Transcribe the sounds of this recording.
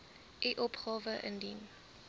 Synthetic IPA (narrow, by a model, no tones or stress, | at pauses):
ʔiʔɔpχɑːvəʔə̰ndin